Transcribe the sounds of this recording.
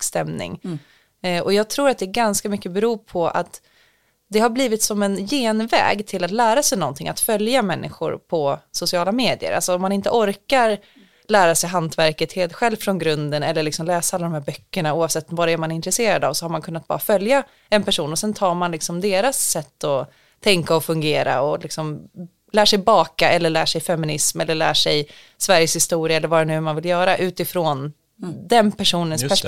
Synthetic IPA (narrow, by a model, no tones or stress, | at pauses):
st̪ɛmnɪ̰ŋ | ʔɔjɑːɡ̚t̪ʰɾuːɾat̪̚d̪ɛːɾɡanskamʏkːəbɛɾuːpʰɔʔa̰t̪ | d̪ɛɦaɾbliːvɪt̪sɔmɛnjeːnvɛ̰ːɡt̪ʰɪlat̪læːɾasɛjnɔnt̪ʰɪŋʔa̰t̪fœljamɛnːʔɪ̰ɧʊ̰ɾpʰɔsʊsɪɑːlameːd̪ɪə̰ɾa̰lsɔɔmːanɪnt̪əʔɔɾkaɾ | læːɾasɛjɦant̪væɾkət̪heːt̪ɧɛlvfɾɔnɡɾɵnd̪ənɛlːəɭɪksɔmlɛːsaalːdɾɔmhæːɾbœkːəɳauːavsɛt̪ːɔvaɾɛæɾmanɪnt̪ɾɛseːɾad̪a̰vsɔhaɾmankʰɵnːat̪̚b̥ɑ̰ɾafœlja | ɛnpæʂuːnɔsɛnt̪ʰɑːɾmanlɪksɔmd̪eːɾasːɛt̪ːɔ | t̪ʰɛŋkaɔfɵŋɡeːɾa̰ɔlɪksɔm | læːʂɛjbɑːkaʔɛlːəɭæːʂɛjfɛmɪnɪsmɛlːəɭæ̰ːʂɛj | svæɾjəshɪst̪uːɾɪaɛlːəɾvaːɾɛnʉ̟ːmanvɪljœːɾaʔʉ̟ːt̪ɪfɾoːn | d̪ɛnpʰæʂuːnənsp